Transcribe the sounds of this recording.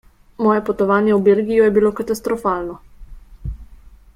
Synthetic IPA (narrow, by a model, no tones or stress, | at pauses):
mɔːjɛpɔt̪ɔʋaːnjɛwbeːlɡijɔjɛbiloːkat̪ast̪ɾɔfaːlnɔ